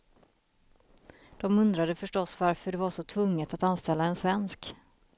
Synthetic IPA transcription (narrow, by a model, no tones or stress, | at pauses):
d̪̥ɔmɵnd̪ɾad̪əfœʂʈɔsːvaɾfœɖɛvaʂɔt̪ʰvɵŋːət̪at̪anst̪ɛlːaɛnsvɛnsk